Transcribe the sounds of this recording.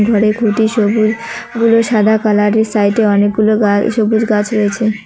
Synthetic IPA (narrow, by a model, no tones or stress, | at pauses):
ɡʱɔɾekʰuʈiʃobud͡ʒɡuloʃad̪ʱakalaɾesaiʈeɔnek̚ɡuloaʃobud͡ʒɡat͡ʃɾɔɦet͡ʃʰe